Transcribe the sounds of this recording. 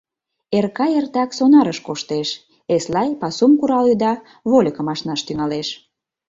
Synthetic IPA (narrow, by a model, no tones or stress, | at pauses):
erkɑert̪ɑksonɑɾəʃkoʃt̪eʃ | eslɑjpɑsumkuɾɑlyd̪ɑ | βolʲəkəmɑʃnɑʃt̪yŋɑleʃ